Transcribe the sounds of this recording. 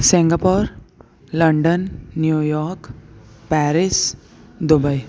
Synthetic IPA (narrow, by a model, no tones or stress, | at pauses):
sĩŋɡapoɾ | ləɳɖənːjujɔɾkpɛɾis | d̪ubəj